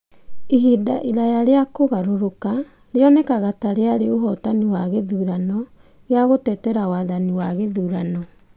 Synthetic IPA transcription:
eɦida̰ʔiɾajaɾeakoɣaɾoɾoka | ɾeɔnɛkaɣataɾeaɾeoɦɔtaniwaɣeðuːɾanɔ | ɣeaɣotɛtɛɾawaːðaniwaɣeðuːɾanɔ

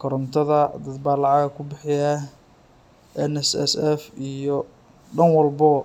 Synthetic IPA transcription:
kʰɔɾɔmt̪ʰɐðɐd̪ɐd̪baːlɑʕɑɣɐkʰʊbɪħɪja | ʔɛnɛsɛ̰sɛfijɔ | ɖɐnwɐlbɔ

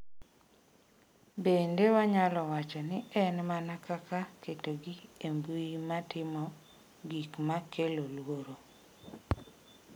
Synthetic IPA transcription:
bendewaɲalɔwat͡ʃɔnɪɛnmanakakaketoɡiembuimatɪmɔ | ɡikmakʰelolwoɾo

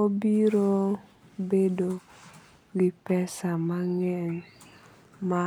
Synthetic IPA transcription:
obiɾo | bedo | wipɛsamaŋɛn | ma

